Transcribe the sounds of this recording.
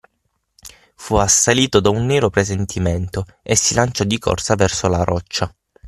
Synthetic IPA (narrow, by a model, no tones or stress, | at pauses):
fuasːaliːt̪od̪aunːeːɾopɾezent̪ʰiment̪o | esːilant͡ʃɔd̪ikʰɔ̰rsavɛrsolaɾɔt͡ʃːa